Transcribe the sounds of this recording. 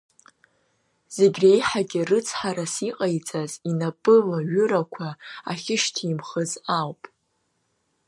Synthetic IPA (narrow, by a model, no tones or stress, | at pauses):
z̥e̞ɡʲrejħaɡʲɪrɨt͡sʰħaɾasiqʼajt͡sʼazinapʼɨlaɥʊɾakʷʰaaχʲɪʃtʰiːmχəzawpʼ